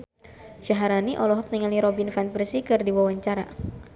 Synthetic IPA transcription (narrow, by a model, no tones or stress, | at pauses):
ʃaɦaɾaniʔɔlɔɦɔk̚nɛŋaliɾɔbinfanprsikɨrdiwawaɲt͡ʃaɾa̰